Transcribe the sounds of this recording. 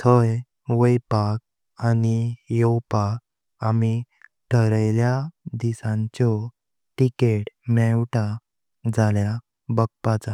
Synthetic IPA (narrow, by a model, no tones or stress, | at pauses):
t̪ʰəj | ʋəjpak̚ | anijɔwpak̚ | ami | ʈʰəɾajljad̪isãɲt͡ɕɔ | ʈikeʈmɛwʈa | d͡zalja | bək̚pat͡sa